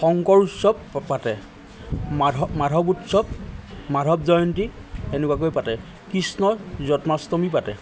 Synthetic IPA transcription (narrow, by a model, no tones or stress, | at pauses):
xɔŋkɔɹutsɔb̚ːatɛ | madʱɔbutsɔb̚madʱɔbzɔjɔntienɛkwakojpatɛ | kisnɔzɔtmastɔmip̬atɛ